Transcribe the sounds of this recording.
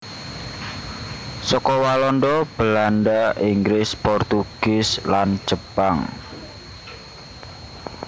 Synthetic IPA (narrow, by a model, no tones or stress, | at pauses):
sɔkɔwalɔndɔb̥əlandaʔiŋɡɾɪspɔrt̪uɡ̥ɪslan̥d͡ʒ̥əpaŋ